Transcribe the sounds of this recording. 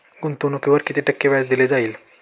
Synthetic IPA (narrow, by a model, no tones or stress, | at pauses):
ɡunt̪unukeʋəɾkit̪ʰiʈəkːeʋajsd̪iled͡zaiːl